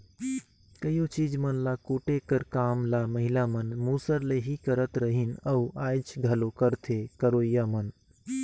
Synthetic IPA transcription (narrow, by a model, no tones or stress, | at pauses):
kəjot͡ʃid͡ʒmənlakuʈekəɾkaːmlaməɦilamənmuːsəɾleɦikəɾət̪ɾəɦinəuʔaːjt͡ʃɡʱəlokəɾt̪ʰekəɾoːjamən